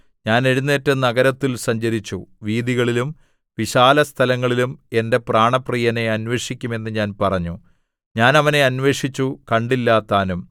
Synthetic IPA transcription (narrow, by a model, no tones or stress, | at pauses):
ɲaːne̞ɻunːe̞ːtːɐnɐɣɐɾɐt̪ːilsɐɲd͡ʑɐɾit͡ɕːuʋiːðiɣɐɭilum | ʋiɕaːlɐst̪ʰɐlɐŋːɐɭilume̞nde̞praːɳɐpriːjɐne̞ɐnʋe̞ːʂikʲːume̞nːɨɲaːnpɐrɐɲːu | ɲaːnɐʋɐne̞ɐnʋe̞ːʂit͡ɕːukɐɳɖilːaːt̪ːaːnum